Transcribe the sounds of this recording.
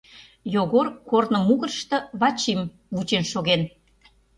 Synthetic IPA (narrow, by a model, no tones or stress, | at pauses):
joɣorkornə̆muɣərʃt̪ɤ̆βɑt͡ɕim | βut͡ɕenʃoɣen